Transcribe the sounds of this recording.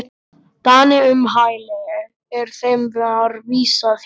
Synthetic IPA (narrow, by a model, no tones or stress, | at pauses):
t̪anɪʏmɦaːjlɛjʏ | ɛɾ̥θejmvɛaɾviːsaθ